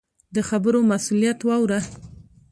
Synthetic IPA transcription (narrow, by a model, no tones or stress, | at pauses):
d̪əxabəɾomasulijat̪wɑwɾa